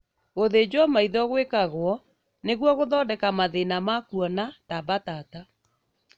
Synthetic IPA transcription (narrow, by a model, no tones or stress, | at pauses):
oðed͡ʑwɔmaiðɔɣwekaɣwɔ | neɣwɔɣoðɔdɛkamaðenamakuɔnatabatata